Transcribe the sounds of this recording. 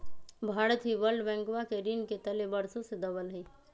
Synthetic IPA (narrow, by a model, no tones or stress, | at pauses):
bʱaːɾət̪ɦiʋəɾɖbɛ̃ːŋkwakeɾinket̪əlebəɾsõsed̪ɐbəlɦɛiː